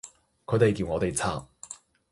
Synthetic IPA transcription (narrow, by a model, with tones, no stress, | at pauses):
kʰɵ˨˧t̪e˨jkiː˧wŋɔː˨˧t̪e˨jt͡sʰaː˨˩p̚